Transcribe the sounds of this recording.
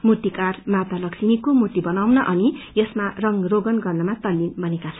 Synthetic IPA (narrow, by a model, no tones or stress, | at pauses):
mut̪ikarmat̪alʌksinikomut̪ibʌnawnʌʔʌnijʌsmarʌŋroɡʌnɡʌrnʌmat̪ʌlːinbʱʌnekat͡sʰʌn